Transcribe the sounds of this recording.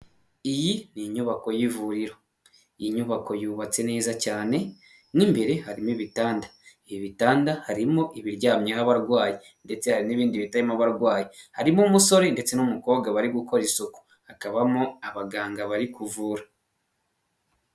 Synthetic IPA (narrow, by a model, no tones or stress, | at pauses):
ijiniɲuβako̞jivuɾiɾo̞ | ijiɲuβako̞juːβat͡se̞ne̞ːzacaːne̞ | nimbe̞ɾe̞haɾimiβitaːndḁ | βitaːndahaɾimo̞ʔiβiɾɟaːmɲeɦaβaɾɡwaːji | nde̞t͡se̞haɾiniβiːndiβitajimaβaɾɡwaːjihaɾimomuso̞ɾinde̞t͡se̞numuko̞ːβɡaβaɾiɡuko̞ɾisuku̥ | hakaβamoaβaɡaːŋɡaβaɾikuvuːɾa